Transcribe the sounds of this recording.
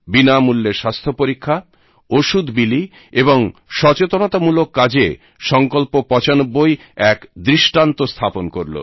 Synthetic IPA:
binamulːeɾʃast̪ʰopoɾikʰːa | oʃud̪bili | eboŋʃɔt͡ɕet̪onot̪amulokːad͡ʑḛ | ʃɔŋkolpopɔt͡ɕanobːoj | ɛkd̪ɾiʃʈant̪ost̪ʰaponkoɾlo̰

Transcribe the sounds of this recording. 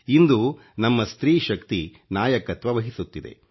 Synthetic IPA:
ind̪u | nɐmːɐst̪ɾiːʃɐkt̪i | naːjɐkɐt̪ʋɐʋɐɦisut̪ːid̪ḛ

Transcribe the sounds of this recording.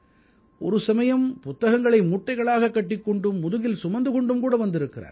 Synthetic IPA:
ʔɔ̰ɾɯsɐmɐjɐmpʊt̪ːɐɣɐŋɡɐɭɐɪmuːʈːɐɪɣɐɭaːɣɐkːɐʈːɪkːɔɳɖɯmːʊðɯɣɪlsʊmɐnd̪ɯɣɔɳɖɯmkuːɽɐʋɐnd̪ɪɾɯkːɪra̰ːɾ

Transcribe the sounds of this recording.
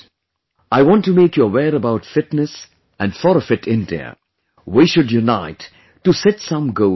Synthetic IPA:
aɪwɔ̃ntːumeɪkjuəwɛːɾəbaʊtfɪtnɨs | ʔæ̃nfɔɾfɪʈʰɪ̃nd̪ɛ̰ | wiʃʊdjunaɪtː | usɛtsʌ̃mɡoʊ

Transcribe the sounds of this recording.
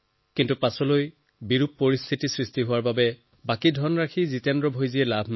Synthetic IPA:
kintupasɔloj | biɹupːoɹist̪ʰitisɹistiɦʊwaɹbabɛ | bakidʱɔnɹakʰizitɛndɹɔbʱojziɛlabʱn

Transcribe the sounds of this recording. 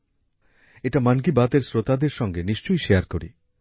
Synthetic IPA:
eʈamankibat̪eɾsɾot̪ad̪eɾʃɔŋɡeniʃt͡ʃojʃejaɾkoɾḭ

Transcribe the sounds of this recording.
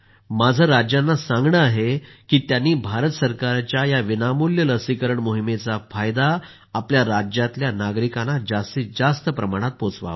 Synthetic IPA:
mad͡zʱəɾad͡ʑjanːasãŋɡɳəaɦekiːt̪janːiːbʱaɾət̪səɾkaɾat͡ɕjajaʋinamuljələsikəɾəɳmoɦimet͡safajd̪aː | pljaɾad͡ʑjat̪ljanaɡɾikanad͡zast̪iːd͡zast̪əpɾəmaɽ̃at̪̚pot͡sʋa̰ʋə

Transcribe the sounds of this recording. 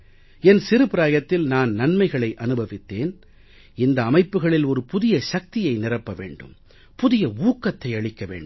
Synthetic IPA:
ɛnsɪɾɯpɪɾaːjɐt̪ːɪlnaːnnɐnmɐɪɣɐɭɐɪʔɐnɯbʱɐʋɪt̪ːeːn | ɪnd̪ɐːmɐɪpːɯɣɐɭɪlɔɾɯpʊðɪjɐʃɐk̚t̪ɪjɐɪnɪrɐpːɐʋḛːɳɖɯ̰m | pʊðɪjɐuːkːɐt̪ːɐɪɐɭɪkːɐʋḛːɳɖ

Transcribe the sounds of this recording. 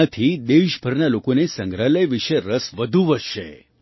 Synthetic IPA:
ət̪ʰid̪eʃbʱəɾnalokonesəŋɡɾaləjʋiʃeɾəsʋəd̪ʱuʋəʃḛ

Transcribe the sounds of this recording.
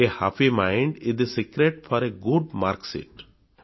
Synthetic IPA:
ehapimãɪ̃ɳɖɪd̪esikɾeʈfɔɾeɡʊɖmaːɾksɪ̰ʈ

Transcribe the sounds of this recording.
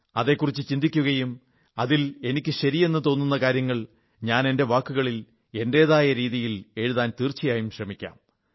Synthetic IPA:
ɐðe̞ːkːurit͡ɕːɨt͡ɕind̪ikʲːuɣɐjum | ɐðile̞nikʲːɨɕɐɾije̞nːɨt̪o̞ːnːunːɐkaːɾjɐŋːɐɭ | ɲaːne̞nde̞ʋaːkːuɣɐɭil | e̞nde̞ːðaːjɐɾiːðijile̞ɻuðaːnt̪iːrt͡ɕːijaːjumɕrɐmikʲːa̰ːm

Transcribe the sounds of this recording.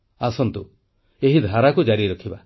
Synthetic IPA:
asɔnt̪u | eɦid̪ʱaɾakud͡ʒaɾiɾɔkʰiba

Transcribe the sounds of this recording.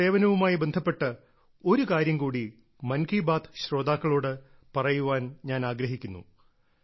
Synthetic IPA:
e̞ːʋɐnɐʋumaːjibe̞nd̪ʱɐpːe̞ʈːɐ | o̞ɾukaːɾjɐmkuːɽi | mɐnkʰiːbaːt̪ʰɕro̞ːd̪aːkːɐɭo̞ːɽɨ | pɐrɐjuʋaːnɲaːnaːɡɾɐɦikʲːunːṵ

